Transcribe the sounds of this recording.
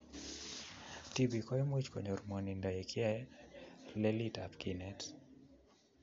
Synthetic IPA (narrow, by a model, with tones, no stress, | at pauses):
ti˨bikɔ˦ɛmwi˦t͡ʃkɔ˨ɲɔ˨rmɔ˨ni˨nda˨ɛkʰɪja˦ | lɛlitapkinɛt